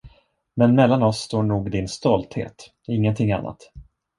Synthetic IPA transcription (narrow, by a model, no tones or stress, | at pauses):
mɛnmɛlːanɔsːt̪oːɳuːɡd̪ɪnst̪ɔlt̪hḛːt̪ | ɪŋːənt̪ʰɪŋːa̰nːʔa̰t̪